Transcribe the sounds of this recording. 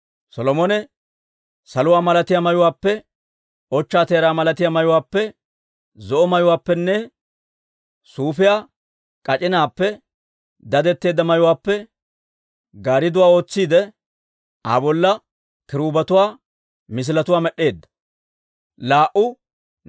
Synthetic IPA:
sɔlɔmɔnɛ | sɐlʊwaːmɐlɐt̪ɪjamɐjʊwaːpːɛ | ʔɔt͡ʃːaːt̪e̞ːɾaːmɐlɐt̪ɪjamɐjʊwaːpːɛ | zɔʔɔmɐjʊwaːpːɛnːɛ | suːfɪjaː | kʼɐt͡ʃʼɪnaːpːɛ | d̪ɐd̪ɛt̪ːe̞ːd̪ːɐmɐjʊwaːpːɛ | ɡaːɾɪd̪ʊwaːo̞ːt͡sːiːd̪ɛ | a̰bɔlːɐ | kɪɾuːbɐt̪ʊwaː | mɪs̬ɪlɐt̪ʊwaːmɛɗːe̞ːd̪ːɐ̥ | laːʔʊ

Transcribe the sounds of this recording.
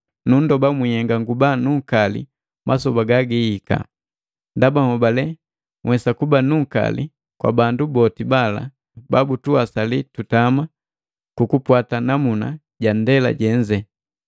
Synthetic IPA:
nun̩dɔbamiɛŋɡaŋɡubanuŋ̩kalḭ | mʔasɔbaɡaɡiika̰ | ndabahɔbalɛ | ŋwɛsakubanuŋ̩ka̰lḭ | kwa̰bandubɔtibala̰ | babutuasalitutama | kukupwatanamuna̰ | ɟan̩dɛla̰ɟɛɲd͡ʒɛ

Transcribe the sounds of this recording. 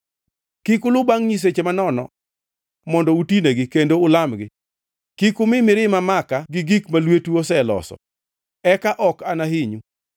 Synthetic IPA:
kikʊlʊbaŋɲis̬et͡ʃemanɔnɔ̰ | mɔndɔutineɡɪkendoʊlamɡɪ | kikʊmɪmɪɾɪmamakaɡɪɡikmalwetuosɛlɔ̰sɔ̰ | ɛkaʔɔkanaɦiɲu

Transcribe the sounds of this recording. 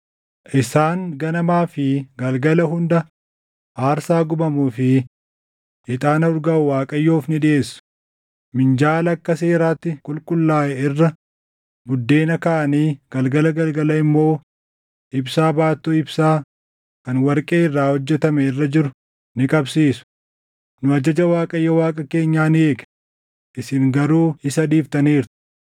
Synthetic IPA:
ʔɪsaːŋɡɐnɐmaːfɪɡɐlɡɐlɐɦʊnd̪ɐ | ʔaːɾsaːɡʊbɐmuːfɪ | ɪt̪ʼaːnɐʊɾɡɐʊwaːkʼɐjːoːfnɪɗᶑɪʔe̞ːsːʊ̥ | mɪnd͡ʒaːlɐkːɐse̞ːɾaːt̪ːɪkʼʊlkʼʊlːaːʔɛɪrːɐ | bʊd̪ːe̞ːnɐkaʔɐniːɡ̥ɐlɡɐlɐɡɐlɡɐlɐɪmːo̞ː | ɪbsaːbaːt̪ːuɪbsaː | kɐnwɐɾkʼeːɪrːaːhɔd͡ʒːɛt̪ɐmɛɪrːɐd͡ʒɪɾʊ | nɪkʼɐbsiːsʊ̥ | nʊɐd͡ʒɐd͡ʒɐwaːkʼɐjːɐwaːkʼɐke̞ːɲːaːnɪeːkɛ̥ | ʔɪsɪŋɡɐɾuːɪsɐd̪iːft̪ɐniːɾt̪ɪ̥

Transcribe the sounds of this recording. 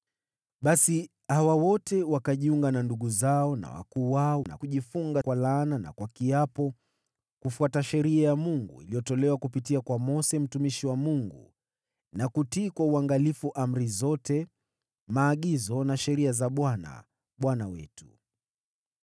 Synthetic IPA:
ɓasi | hawawɔtɛwakaʄiuŋɡananduɠuzaɔna̰wa̰kuːwaɔna̰kuʄifuŋɡakwalanana̰kwakiapɔ | kufuataʃɛɾiajamuŋɡṵḭlijɔtɔlɛwakupitiakwamɔsɛm̩tumiʃiwamuŋɡṵ | nakutiːkwauaŋɡalifuʔam̩ɾizɔtɛ | maːɠizɔnaʃɛɾiazaɓwana̰ | ɓwanawɛ̰tu̥

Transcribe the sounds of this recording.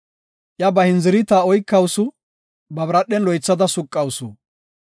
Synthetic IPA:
ʔjɐbɐhɪnzɪɾɪt̪aːɔjkːɐwsʊ | bɐbɾɐɗːɛnlɔjt͡sːɐd̪ɐsʊkʼːɐwsʊ̰

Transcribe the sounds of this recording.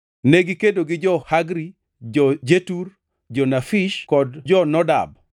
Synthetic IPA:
nɛɡɪkedoɡɪd͡ʒɔhaɡɾi | d͡ʒɔd͡ʒetur | d͡ʒɔnafiʃkɔdd͡ʒɔnɔda̰b

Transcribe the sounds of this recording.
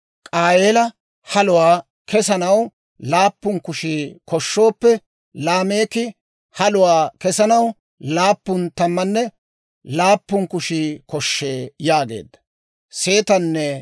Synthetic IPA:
kʼaːjeːlɐ | hɐlʊwaː | kʰɛsɐnɐw | laːpːʊŋkʊʃiːkɔʃːo̞ːpːɛ | laːme̞ːkɪ | hɐlʊwaːkɛsɐnɐw | laːpːʊnt̪ɐmːɐnːɛ | laːpːʊŋkʊʃikɔʃːeːjaːɡe̞̰ːd̪ːɐ̥ | se̞ːt̪ɐnːɛ

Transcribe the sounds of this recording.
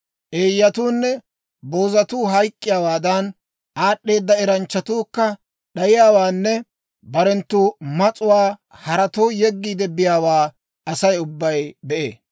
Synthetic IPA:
ʔeːjːɐt̪uːnːɛ | boːzɐt̪uːɦɐjkʼːɪjaːwaːd̪ɐn | ʔaːɗːe̞ːd̪ːɐɛɾɐnt͡ʃːɐt̪uːkːɐ | ɗɐjɪjaːwaːnːɛ | bɐɾɛnt̪ːuːmɐt͡sʼʊwaːhɐɾɐt̪oːjɛɡːiːd̪ɛbɪjaːwaː | ɐsɐjʊbːɐjbɛʔḛː

